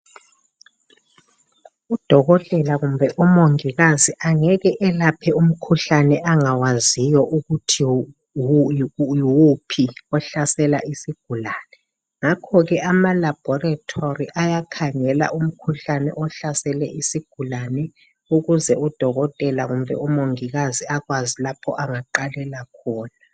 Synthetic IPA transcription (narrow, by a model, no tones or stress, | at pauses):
ud̥ʱɔɣɔtʼɛlaɣumbʱɛʔɔmoŋiɣaziʔaŋɛɣɛʔɛlapʰɛum̩kʰuɬanɛaŋawazijɔʔuɣutʰi | wupʰiɔɬasɛla̰isiɡ̥ʱulanɛ | ŋakʰɔɣɛʔamalab̥ʱɔratʰoriʔajakʰaŋɛla̰ʔum̩kʰuɬanɛ̰ʔɔɬasɛlɛʔisiɡ̥ʱulanɛ | uɣuzɛud̥ʱɔɣɔtʼɛlaɣumbʱɛ̰umoŋiɣaziaɣwazilapʰɔ̰ʔaŋaǃalɛlakʰɔːna